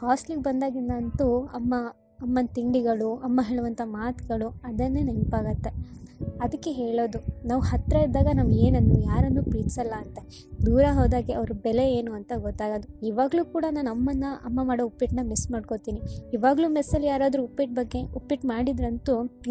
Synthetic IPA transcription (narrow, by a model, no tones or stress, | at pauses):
haːsʈliŋɡbɐnd̪aːɡinːant̪uɐmːɐː | mːɐnt̪iɳɖiɡɐɭuɐmːɐɦe̞ːɭuʋɐnt̪ʰɐmaːt̪ɡɐɭuɐd̪ɐnːenempaːɡɐt̪ːe̞ɐd̪ɐkːe̞ɦeːɭoːd̪unaːʋuhɐt̪ɾɐiɾd̪aːɡɐnaːʋueːnɐnd̪ujaːɾɐnd̪upɾiːt̪sɐlːɐːnt̪e | d̪uːɾɐɦoːd̪aːɡeɐʋɐɾubɛle̞eːnuɐnt̪ɐɡɔt̪ːaːɡoːd̪uiːʋaːɡɐluːkuːɽɐnaːnɐmːɐnːɐʔɐmːɐmaːɽoupːiʈnɐmismaːɽko̞t̪iːniiːʋaːɡɐluːmɛsːɐlːijaːɾaːd̪ɾuupːiʈ̚bɐɡːe̞upːiʈmaːɽid̪ɾɐnt̪u